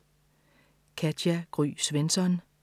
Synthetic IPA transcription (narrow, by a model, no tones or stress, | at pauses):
kʰæd̥ʰjæɡ̥ʁy̰ːsʋensɒn